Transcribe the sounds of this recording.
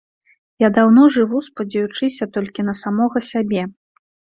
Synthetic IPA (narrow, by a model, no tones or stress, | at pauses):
jad̪awnɔʐɨvuspɐd͡zʲajut͡ʂɨsʲɐt̪ɔlʲkʲinɐsamɔɣɐsʲabʲɛ